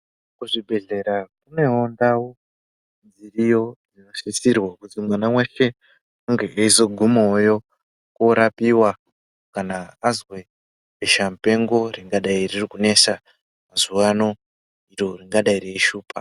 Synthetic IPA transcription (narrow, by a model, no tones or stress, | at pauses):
kuʐibʱe̞ɮe̞ɾakune̞ɦondawo | nzirijo̞d͡zinasisirwakutimwanaweʃe̞ | uŋɡe̞ʔeizo̞ɡʱumojo̞ | koɾapiwa | kanaːzwe̞ | eʃamupe̞ŋɡo̞riŋɡaɗairirikune̞sa | mazuwano̞ | iɾoriŋɡaɗaiɾeiʃuːpa